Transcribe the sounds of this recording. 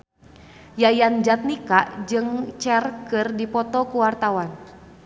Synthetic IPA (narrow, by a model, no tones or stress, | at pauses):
jajand͡ʒat̪̚nikaʔd͡ʒɨŋt͡ʃɛrkɨrdipɔt̪ɔkuwart̪awan